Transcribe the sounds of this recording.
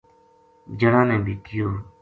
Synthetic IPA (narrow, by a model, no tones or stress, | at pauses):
d͡ʒəɽãːnɛ̃ːd̪ɪːkʰɪjoː